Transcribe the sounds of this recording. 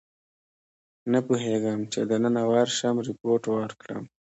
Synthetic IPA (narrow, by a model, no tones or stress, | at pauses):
napuɦeɡəmt͡ʃed̪ənənawaɾʃamɾɪpoʈwəɾkɽə̰m